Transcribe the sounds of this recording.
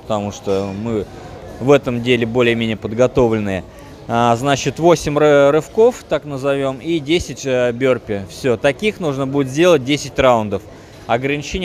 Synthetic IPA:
pə̥t̪ɐmuʂt̪omɨ | vɛt̪əmdʲelʲɪbo̞lʲɪjəmʲenʲɪjəpəd̪ɡɐt̪o̞vlʲɪnɨjə | aznat͡ɕɪt̪vo̞sʲɪmʲrɨfko̞ft̪aknəzɐvʲo̞midʲesʲɪtʲəbʲorpʲɪfsʲot̪ɐkʲixnuʐnəbudʲɪt̪zʲdʲe̞lˠət̚ʲdʲesʲɪt̚ʲraʊnd̪əf | ɐɡɾənʲɪt͡ɕenʲ

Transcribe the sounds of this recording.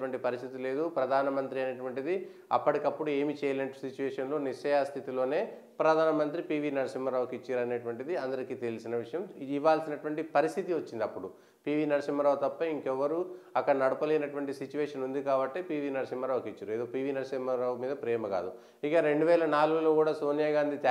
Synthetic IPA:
ʋɐɳʈipɐɾist̪ʰit̪ile̞ːd̪upɾɐd̪ʱaːnɐmɐnt̪ɾiɐneʈʋɐɳʈid̪i | ɐ̰pːɐʈikɐpːuɽue̞ːmit͡ʃɛːjɐleːnɐʈu̥sit͡ʃːuʋɛːʂɐnlo̞ːniʂɐjast̪ʰit̪ilo̞ːne̞ː | pɾɐd̪ʱaːnɐmɐnt̪ɾipiːʋiːnɐɾɐsimːɐɾaːʋɐkit͡ʃːaːɾɐneːʈʋɐɳʈid̪iɐnd̪ɐɾikiːt̪e̞lisinɐʋiʂɐjɐmiʋːaːlsinɐʈuʋɐɳʈipɐɾist̪ʰit̪iʋɐt͡ʃːind̪iɐpːuɽu | piːʋiːnɐɾɐsimɐɾaːʋut̪ɐpːɐiŋkɛʋːɐɾuɐkːɐɽɐnɐɽupɐleːnɐʈuʋɐɳʈisit͡ʃːuʋɛːʂɐnund̪ikaːbɐʈːeːpiːʋiːnɐɾɐsimːɐɾaːʋkit͡ʃːaɾue̞ːd̪oːpiːʋiːnɐɾɐsimɐɾaːʋumiːd̪ɐpɾɛːmɐka̰ːd̪u | ikɐɾe̞ɳɖuʋɛːlɐnaːluɡulokuːɽaːso̞ːnjaːɡaːnd̪it̪

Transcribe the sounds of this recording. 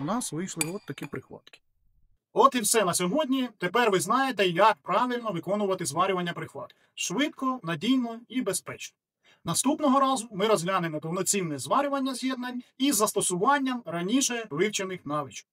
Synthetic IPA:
nɑsʋɪjʃlˠɪɔt̪t̪ːɐkʲipɾɪxʋɑ̰t̪kʲɪ̥ | ɔt̪iwsɛnɐsʲɔɦɔdʲnʲit̪epɛrʋɪznɑjet̪ɛjɐk̚pɾɑʋʲilʲnɔʋɪkɔnʊʋɐt̪ɪzʋɑɾʲʊʋɐnʲːɐpɾɪxʋˠɑ̰t̪ | ʃʋɪt̪kɔnɐdʲijnɔibespɾɛt͡ʃnɔ̥ | nɐst̪upnɔɦɔɾɑzʊmɪɾɔzɦlʲanɪmɔpɔwnɔt͡sʲinɛzʋɑɾʲʊʋɐnʲːɐzʲjɛd̪nɐnʲizːɐst̪ɔsʊʋɑnʲːɐmɾɐnʲiʃɛʋɪwt͡ʃenɪxnɑʋʲit͡ʃɔ̥k

